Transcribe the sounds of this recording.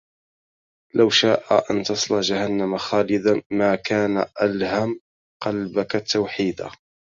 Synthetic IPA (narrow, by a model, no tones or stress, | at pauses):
lʔawʃaːʔa̰ʔant̪ɑsˤlɑd͡ʒahanːamaxaːlɪd̪amaːkaːnaʔalham | qɑlbakat̪ːawħiːd̪a̰